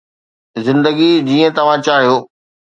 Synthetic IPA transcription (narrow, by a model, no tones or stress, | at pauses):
zɪ̃nd̪əɡid͡ʑiːə̃t̪ɐʋ̤ãt͡ɕaːɦijoː